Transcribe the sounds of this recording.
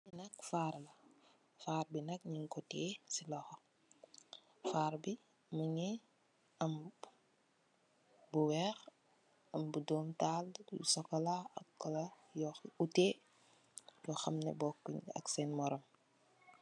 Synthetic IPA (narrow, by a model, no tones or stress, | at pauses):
inɐkfaːɾlɐ | faːɾbinɐk̚ɲiŋkɔtɛsilɔxɔ | faːɾbi | məɲɛ | ɐm | buwɛːx | ɐmbudɔːmtaːl̰sɔkɔlaɐkːɔla | jɔxuteː | jɔxɐmnɛ̰bɔkːɲɐ̰ksɛnmɔɾɔm